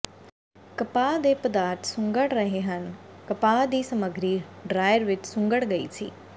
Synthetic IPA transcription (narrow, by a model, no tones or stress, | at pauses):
kəpaːd̪eːpəd̪aːɾt̪sʊ̃ŋɡəɽɾəɦeːɦən | kəpaːd̪iːsəməɡɾiːɖɾaːjəɾʋɪt͡ʃsʊ̃ŋɡəɽɡəḭːsḭː